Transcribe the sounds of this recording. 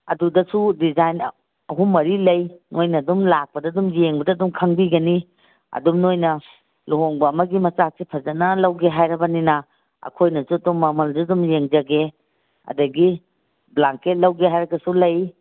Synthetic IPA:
ɐdudɐsudizajn | ɐɦumːɐɾilɐjnʔojnɐdumlak̚pɐdɐdumjeŋbɐdɐːdumkʰɐŋbiɡɐni | ɐ̰dumnojnɐ | luɦoŋbɐːmɐɡimɐt͡ʃak̚sipʰɐzɐt̚nɐlɐwɡeɦajɾɐbɐninɐ | ɐ̰kʰojnɐsudumːɐmɐldɐdumjeŋd͡ʒɐɡe | ɐ̰dɐɡi | blaŋket̚lɐwɡeɦajɾɐkɐsulɐj

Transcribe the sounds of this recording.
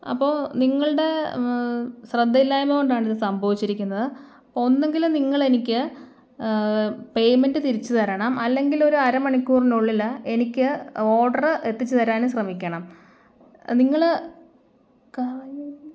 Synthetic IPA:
ɐ̰pːo̞ːniŋːɐɭɨɽe̞ | ɕrɐd̪ːilːaːjmɐko̞ɳɖaːɳiðɨsɐmbʱɐʋit͡ɕːiɾikʲːunːɐðɨ | onːe̞ŋɡilumniŋːɐɭe̞nikʲːɨ | pe̞jme̞ndɨt̪iɾit͡ɕːɨt̪ɐɾɐɳɐmɐlːe̞ŋɡilo̞ɾuɐɾɐmɐɳikʲːuːrinuɭːilːɐe̞nikʲːɨo̞ːɖɐrɨʔe̞t̪ːit͡ɕːut̪ɐɾaːnɨɕrɐmikʲːɐɳɐm | niŋːɐɭ | ka

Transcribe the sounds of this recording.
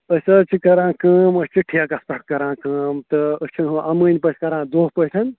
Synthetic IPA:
əsɐt͡ʃʰikɐɾãːkəːməsʲt͡ʃʰiʈʰiɐkɐspɐʈ̚kɐɾãːkəːmt̪ɨəsʲt͡ʃʰinɦũʔɐmənʲpəʈʰkɐɾãːd̪oːɦpəjʈʰɐn

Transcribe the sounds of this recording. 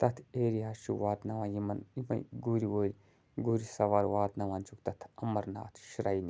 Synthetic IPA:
t̪ɐt̪ʰeːɾiɦaʃṵʋaːd̪nɐʋãːjimɐnimɐ̰jɡuɾiwoːɾi | ɡuɾisɐʋaɾʋaːd̪nɐʋaːnt͡ʃʰukt̪ɐt̪ʰɐmɐɾna̰ːt̪ʰʃɾɐjni

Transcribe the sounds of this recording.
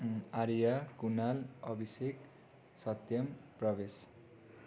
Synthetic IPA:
aɾjakunalʌbʱisek | sʌt̪jʌmprʌbes

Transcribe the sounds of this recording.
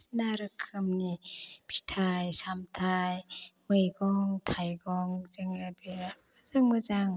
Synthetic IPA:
sinaɾɯkʰːɯmnipʰi̥tʰajsamtʰajmɯjɡɔŋtʰajɡɔŋzɯŋabe | azaŋmɯzaŋ

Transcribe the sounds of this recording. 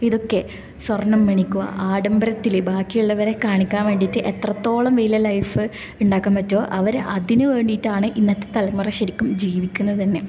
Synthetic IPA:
iðo̞kːe̞ | swɐrnːɐmːeɳikʲːua̰ʔaːɖɐmbɐɾɐt̪ːilebaːkːijuɭːɐʋɐɾe̞kaːɳikʲːaːnʋe̞ːɳɖiːtːɨʔet̪rɐt̪ːo̞ːɭɐmʋelijɐlɐjfɨ | uɳɖaːkːaːmpɐtːo̞ːʔɐʋɐɾʔɐðinɨʋe̞ːɳɖitːaːɳɨʔinːɐt̪ːet̪ɐlɐmːurɐɕɐɾikʲːumd͡ʑiːʋikʲːunːɐðɨt̪ɐnːe̞

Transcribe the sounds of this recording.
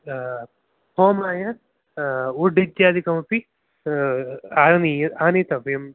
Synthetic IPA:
hoːmaːjɐ | uɖid̪jaːd̪ʱikɐmɐpi | aniaːnit̪ɐʋjɐm

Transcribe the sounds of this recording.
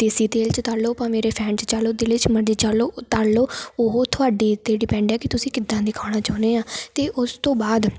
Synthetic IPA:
t̪esiːt̪eːlt͡ʃt̪aːloːpãːmeːɾeːpʰɛ̃ːnt͡ʃt͡ʃaːloːd̪eːlɪt͡ʃməɾd͡ʒeːt͡ʃaloːt̪aːlloːoɦoːt̪ʰʊaːɖiːt̪eːɖɪpɛ̃ːɳɖɛːkɪt̪ʊsĩːkɪd̪ːãːd̪ɪkʰaːɽ̃aːt͡ʃaːneːaːt̪eːʔʊst̪õːbaːd̪

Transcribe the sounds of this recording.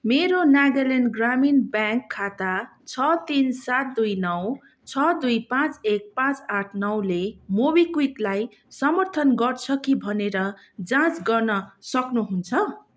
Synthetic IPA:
meɾonaɡʌlenɡraminbjaŋkʰːat̪at͡sʰʌt̪insat̪̚d̪ujnʌw | t͡sʰʌd̪ujpãt͡sek̚pãt͡saʈʰnʌwlemobikwiklaj | sʌmʌrt̪ʰʌnɡʌrt͡sʰʌkibʱʌneɾʌ | d͡zãt͡sɡʌrnʌsʌknuɦunt͡sʰʌ

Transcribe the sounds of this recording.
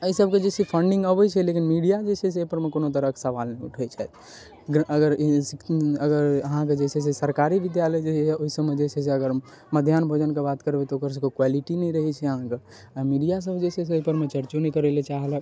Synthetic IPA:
əisəbked͡ʒesipʰəɳɖĩŋɡəbət͡ʃʰɛlekinmiɖijad͡ʒeseseoipəɾmekonot̪̬əɾəksəʋalnɛ̃iuʈʰɛt͡ʃʰɛ | ɡɾəɡəɾsəɡəɾəɦãk̬ed͡ʒesɛs̬esəɾkaɾibid̪jaləjd͡ʒeoɦisəbmed͡ʒesɛseəɡəɾ | məd̪ʱjanbʱod͡ʒənkebat̪kəɾbet̪ɔoːkəɾs̬ekokwaliʈinɛĩɾəɦɛt͡ʃʰɛəɦãke | amiɖijas̬əbʱd͡ʒeseseːɦipəɾmẽt͡ʃəɾt͡ʃunɛĩkəɾelet͡ʃaɦelɛ

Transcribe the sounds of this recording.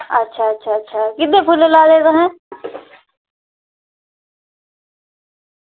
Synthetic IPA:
ɐ̰tːʃʰaɐtːʃʰaɐtːʃʰakɪd̪ẽpʰulelaːlet̪oɦɛ̃ː

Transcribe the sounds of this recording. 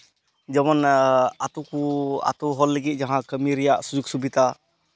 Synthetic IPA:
d͡ʒɔmɔnat̪ukua̰t̪uɦɔlːəɡit̪̚ˀd͡ʒaɦãkəmiɾɛjaʔsud͡ʒuk̚subid̪a

